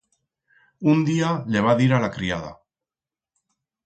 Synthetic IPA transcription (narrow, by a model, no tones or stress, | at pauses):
und̪iale̞β̞aðiɾalakɾiað̞a̰